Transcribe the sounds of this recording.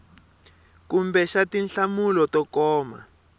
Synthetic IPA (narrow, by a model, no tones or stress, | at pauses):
kumbɛʃatinɬamulɔtɔkɔːma̰